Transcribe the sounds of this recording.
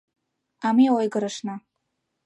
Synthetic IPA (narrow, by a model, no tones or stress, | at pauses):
amiawajɡɨɾaʂna